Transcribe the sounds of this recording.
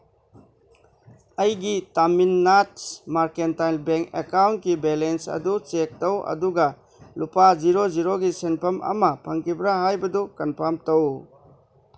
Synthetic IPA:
ɐjɡitaminːatsmaɾkentajlbeŋkḛkawntkibelensɐ̰dut͡ʃek̚tɐwɐ̰duɡɐ | lupaziɾoziɾoɡisenpʰɐmʔɐ̰mɐpʰɐŋkʰibɾaɦajbɐdukɐnpʰamtɐw

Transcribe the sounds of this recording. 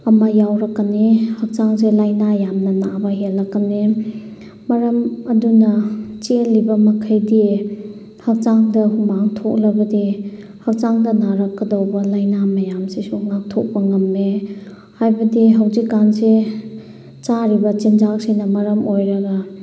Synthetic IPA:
ɐmɐjawɾɐkːanehɐk̚t͡ʃaŋs̬elajnajamnɐnabɐɦelːɐkːane | mɐɾɐmɐdunɐt͡ʃilːibɐmɐkʰajdi | hɐk̚t͡ʃaŋdɐhumaŋtʰok̚lɐbɐdi | hɐk̚t͡ʃaŋdɐnaɾɐkːɐdawbɐlajnamɐjamsesuŋak̚tʰok̚bɐŋɐmne | hajbɐdiɦawzikːanse | t͡ʃaɾibɐt͡ʃind͡ʒak̚sinɐmɐɾɐmojɾɐɡɐ

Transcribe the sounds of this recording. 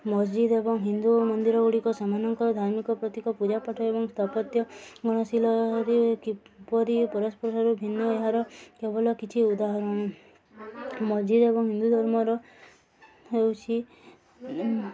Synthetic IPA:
mɔd͡ʒd͡ʒid̪ebɔŋɦind̪umɔnd̪iɾɔuɽikɔsɔmanɔŋkɔɾd̪ʱaɾmikɔpɾɔt̪ikɔpud͡ʒapaʈʰɔebɔŋst̪ʰapɔt̪jɔɡɔɽ̃ɔsilɔɾikipɔɾipɔɾɔspɔɾsɔɾubʱinːɔeɦaɾɔkebɔlɔkit͡ʃʰiud̪aɦɔɾɔɽ̃ɔ | mɔd͡ʒid̪ebɔŋɦind̪ud̪ʱɔɾmɔɾɔ | ɦewt͡ʃʰi

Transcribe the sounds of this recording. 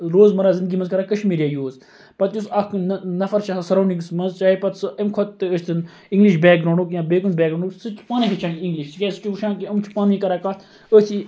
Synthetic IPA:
ɾoːzmɐɾaːzɪ̃nd̪ɨɡiːmɐnzkɐɾaːkɐʃmiːɾijaːjoːz | pɐt̪jusɐkʰnnɐfɐɾt͡ʃʰaːsasɐɾaːɳɖiŋɡsmɐnzt͡ʃaːepɐt̪sɨemkʰot̪t̪ːɨəst̪ʰɨn | iŋɡliʃbɛːk̚ɡɾoːɳɖukjãːbeːkunbʲɛːɡɾõːɳɖuksɨt͡ʃʰpaːnĩkʰɐt͡ʃʰaniŋɡliʃskeːsɨ̥t͡ʃuʋuʃãːnkiɐmt͡ʃʰu̥paːnĩkɐɾaːkat̪ʰ | ət̪ʰi

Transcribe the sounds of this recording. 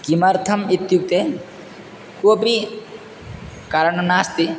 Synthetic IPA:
kimɐɾt̪ʰɐmit̪juk̚t̪e | koːpi | kaɾɐɳnaːst̪i

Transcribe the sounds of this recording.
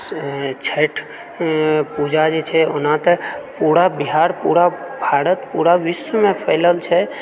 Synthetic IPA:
t͡ʃʰeʈʰ | pud͡ʒad͡ʒet͡ʃʰɛonãt̪əpuɽabiɦaɾpṵɾabʱaɾət̪puɾaʋisəmẽpʰəɪləlt͡ʃʰɛ

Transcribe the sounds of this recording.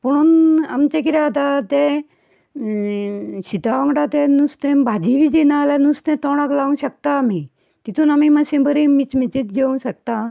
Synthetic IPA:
puɽ̃una̰mt͡ɕekiɾat̪at̪ɛ̃ | ɕit̪aʋaŋɡɽat̪ẽnust̪ẽbʱad͡ʑiʋid͡ʑinalanust̪ɛ̃t̪ɔɽ̃aklaʋũnɕək̚t̪aːmi | t̪it̪ʰũːnamimasĩbəɾimit͡smit͡ɕit̪d͡ʑeũɕək̚t̪a

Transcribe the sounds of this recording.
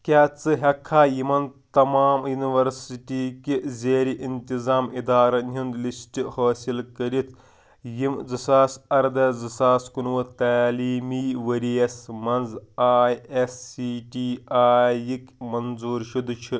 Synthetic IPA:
kʲaːt͡sɨɦɐkʰːaːjimɐnt̪ɐmaːmjuniʋɐɾsiʈiːkizʲeːɾiʔint̪izaːmid̪aːɾɐnʲjund̪lisʈihoːsilkɐɾit̪ʰ | jimd͡zɨsaːsɐɾd̪ɐd͡zɐsaːskunʋɐt̪aːliːmiːʋɐɾijɐsmɐnzaːjesːiːʈiːaːjikʲmɐnzuːɾʃud̪t͡ʃʰi

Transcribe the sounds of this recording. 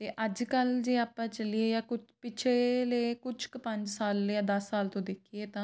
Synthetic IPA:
t̪eːʔəd͡ʒkəld͡ʒeːaːpãːt͡ʃəlieːjaːkʊt͡ʃpɪt͡ʃʰeleːkʊt͡ʃʰkpəɲd͡ʒsaːljãːd̪əsːaːlt̪õːd̪eːkʰieːt̪ãː

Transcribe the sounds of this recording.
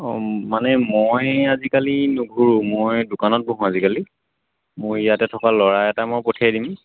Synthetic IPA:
ɔmanɛmojazikalinuɡʱuɹumojdʊkanɔt̚buɦũazikali | mojijatɛtʰɔkalɔɹajɛtamojpotʰajdim

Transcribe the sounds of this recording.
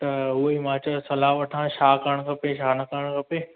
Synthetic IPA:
t̪ɐɦuɦeimãːt͡ɕəɾsɐlaːʋɐʈʰãʃaːkɐɾəɽ̃kɐpeʃaːnɐkɐɾəɽ̃kɐpe

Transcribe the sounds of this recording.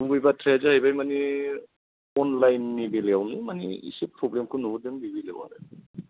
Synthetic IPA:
nuɡɯjbatʰɾezɯhajbajmani | ɔnlajnːibileawnimanḭḭsipɾɔblemkʰɯnuɡudɯŋbibilḛwa̰ɾḛ

